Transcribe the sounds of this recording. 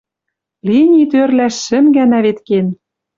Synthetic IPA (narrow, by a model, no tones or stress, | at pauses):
linʲit̪ørlæʃːɘ̆mɡænæβet̪ken